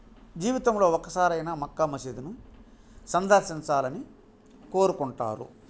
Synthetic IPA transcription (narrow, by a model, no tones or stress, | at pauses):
d͡ʒiːʋit̪ɐmlo̞ːɔkːɐsaːɾɐjnɐmɐkːɐmɐsid̪inu | sɐnd̪ɐɾʃiɲt͡ʃaːlɐni | ko̞ːɾukuɳʈa̰ːɾṵ